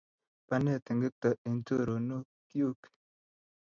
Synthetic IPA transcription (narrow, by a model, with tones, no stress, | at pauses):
pa˦nɛ˦˨t̪i˨ŋɡi˦t̪ɔ˨ʔi˨n˦to˦ɾo˨no˦ | kju˦k